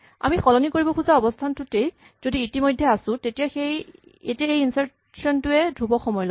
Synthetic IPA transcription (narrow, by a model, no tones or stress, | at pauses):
a̰mixɔlɔnikoɹibɔkʰuzaɔbɔstʰantʊtej | z̥odiːtimojdʱːɛasʊ̃tetijaxej | ḛtiaejinsaɹ | sɔntʊɛdʱubɔxɔmɔjlo